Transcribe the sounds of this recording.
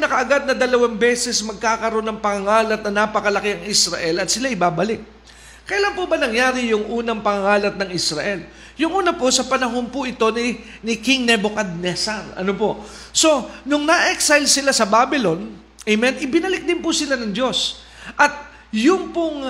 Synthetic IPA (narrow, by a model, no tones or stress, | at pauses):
pnɐkɐʔɐɡad̪̚nɐd̪ɐlɐwanbɛːsɛsmɐɡ̚kaːkɐɾo̞nɐŋpɐŋɐŋaːlɐt̪̚nɐnaːpɐkɐlɐkɪɐŋɪsɾɐʔɛlɐt̪sɪlaʔɪbaːbɐlɪk̚ | kɐjɐlanpʊbɐnɐŋjaːɾɪjʊŋʔuːnɐŋpɐŋɐŋaːlɐt̪̚nɐŋʔɪsɾɐʔɛl | jʊŋʔuːnɐposɐpɐnɐɦo̞npʊʔɪt̪o̞nɪ | nɪkɪŋnɛbokad̪̚nɛsanɐ̰nopo̞ʔ | so̞nʊŋnɐʔɛksajlsɪlasɐbaːbɪlo̞n | ʔɛmɛnɪbɪnɐlɪk̚d̪ɪnpʊsɪlanɐŋd͡ʒo̞s | ʔɐt̪̚ | jʊŋpʊŋ